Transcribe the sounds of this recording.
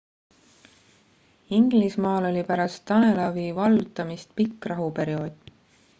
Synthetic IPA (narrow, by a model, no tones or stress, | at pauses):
iŋɡ̥lismɑːlo̞lʲipæɾɑst̪ːɑne̞lɑviːvɑlut̪ːˑɑmist̪̚pikːˑrɑɦupe̞ɾio̞ːd̪̥